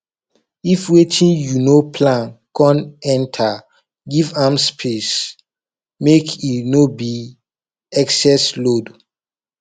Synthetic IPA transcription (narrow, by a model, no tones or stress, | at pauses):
ifwetʰĩnjunopʰlãnkɔ̃nɛ̃ntʰa | ɡivamspʰes | mekʰinobi | ɛksɛslod